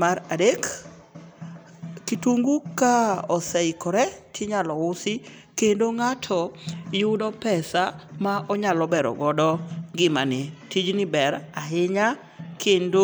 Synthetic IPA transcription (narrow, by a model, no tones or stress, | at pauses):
maɾadek | kituŋɡukaɔsɛɪkɔɾɛtʰɪɲalɔʊsɪ | kendoŋatʰɔjʊdɔpɛsamaʔɔɲalɔbɛɾɔ̰ɡɔdɔŋɡɪmanɪtid͡ʒnɪbɛɾaɦɪɲa | kʰendo